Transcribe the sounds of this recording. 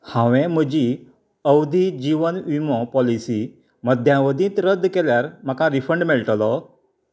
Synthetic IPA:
hãʋɛ̃m̤əd͡ʑi | əwd̪ʱid͡ʑiʋənʋimɔ̃pɔlisi | məd̪ʱjãʋəd̪ĩːt̪ɾəd̪ʱːkɛljaɾm̤akãɾifəɳɖmɛɭʈlɔ

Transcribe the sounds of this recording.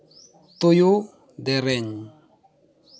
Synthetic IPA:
t̪ojo | d̪ɛɾɛɲ

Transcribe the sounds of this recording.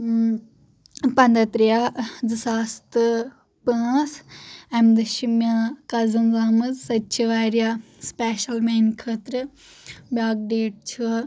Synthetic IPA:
pɐnd̪ɐt̪ɾijadɨsaːst̪ɨ | pəːsɛmd̪ɨʃimjãkɐzɐnzaːmɐzsɐt͡ʃʰiʋaːɾjaspɛːʃɐlmeːnkʰəːt̪ɾɨ | bʲaːk̚ɖeːʈ̚t͡ʃʰu

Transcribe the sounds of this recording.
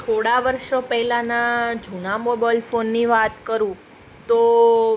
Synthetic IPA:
t̪ʰoɽaʋəɾʃopɛɦɛlanad͡ʒʱunamobalfonːiʋat̪kəɾũ | t̪o

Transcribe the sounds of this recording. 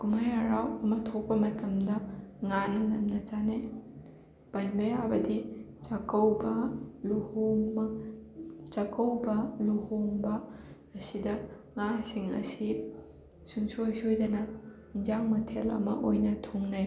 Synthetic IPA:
ɡumajaɾawɐmɐtʰok̚pɐmɐtɐmdɐŋanɐnɐmnɐt͡ʃane | pɐnbeabɐdi | t͡ʃakɐwbɐluhumɐ | t͡ʃɐkɐwbɐluhuŋbɐː | sidɐ | ŋasiŋɐ̰si | suŋsusojdɐnɐ | inzaŋmɐtʰelɐ̰mɐʔojnɐtʰoŋne

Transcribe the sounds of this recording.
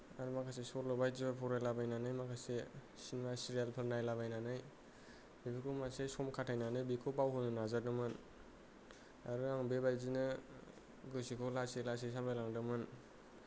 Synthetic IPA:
aɾumakʰasesɔɾlɔbajzibapʰɔɾajlabajnanɯjmakʰase | sinmasiɾijalpʰɯɾnajlabajnanɯj | bikʰɯkʰɔmasesɔmkʰatʰːajnanɯjbikʰopawɦɔnɯnazadɯmɯn | aɾɯaŋbebajzinɯ | ɡɯsikʰɔwlaselas̬es̬ambalaŋdɯmɯn

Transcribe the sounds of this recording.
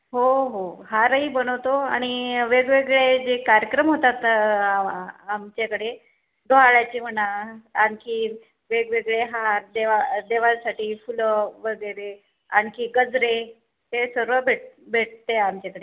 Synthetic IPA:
ɦoɦoɦaɾəɦiːbəñəʋt̪oa̰ɽ̃iʋeɡʋeɡɭed͡ʑekaɾjəkɾəmɦot̪at̪ | amt͡ɕakəɽe | d̪ʱoɦaɭjat͡ɕiːm̤ənaankiː | ʋeɡʋeɡɭeɦaɾd̪eʋad̪eʋasaʈiːfuləʋəɡəjɾe | a̰nkiːɡəd͡zɾe | t̪esəɾʋəbʱeʈ̚bʱeʈ̚t̪eamt͡ɕakəɽe

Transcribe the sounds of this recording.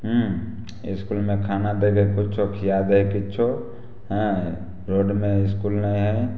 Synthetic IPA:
ɦu | ɪ̰skulmẽkʰanad̪ekʰekʊt͡ʃʰokʰijad̪ekɪtːt͡ʃʰo | ɦɛ̃ | ɾoːɖmẽɪskulnəĩɦɛ

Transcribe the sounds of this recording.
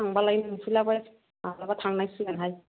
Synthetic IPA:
aŋbalajnumpʰilaba | alabatʰaŋnajsɯɡanɦaj

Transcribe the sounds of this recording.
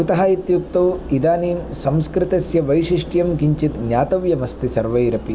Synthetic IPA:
ut̪ɐɦaːit̪juk̚t̪ɐwid̪aːniːmsɐmskɾɪt̪ɐsjɐʋɐjʃiʂʈjɐmɡiɲt͡ʃit̪ɡɲjaːt̪ɐʋjɐmɐst̪isɐɾʋɐjɾɐpi

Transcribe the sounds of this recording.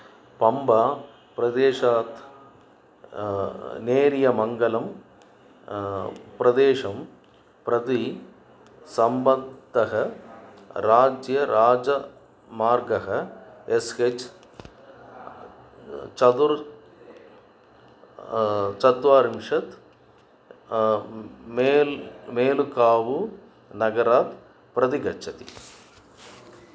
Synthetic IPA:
pɐmbaː | pɪɾɐd̪eːʂaːt̪ | neːɾɪjɐmɐŋɡɐlɐm | pɪɾɐd̪eːʂɐm | pɾɐði | sɐmbɐt̪ːɐɣɐ | ɾaːd͡ʒjɐɾʔaːd͡ʒɐ | maːɾɡɐɣɐeset͡ʃ | t͡ʃɐd̪uɾ | t͡ʃɐt̪ʋaːɾimʂɐt̪ | memeːlukaːʋu | nɐɡɐɾaːt̪̚ | pɾɐd̪iɡɐt͡ʃʰɐt̪i̥

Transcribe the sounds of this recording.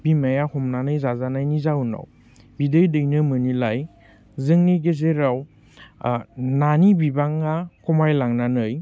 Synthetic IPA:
b̥imajahɔmnanɯjzazanajnizawnɔ̰w | bidɯjdɯjnɯmɯnilaj | zɯŋniɡezeɾaw | nanibibaŋakumajlaŋnanɯj

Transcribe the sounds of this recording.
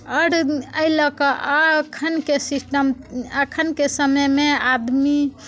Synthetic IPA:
əɾəjlɔkɔkʰənkesisʈəməkʰənkesəməjmead̪mi

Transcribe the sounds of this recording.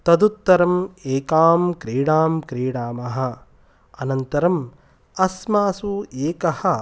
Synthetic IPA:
t̪ɐd̪ut̪ːɐɾɐmeːkaːmkɾiːɽaːmkɾiːɽaːmɐɦɐ̆ | ɐnɐnt̪ɐɾɐm | ɐsmaːsueːkɐhɐ̆

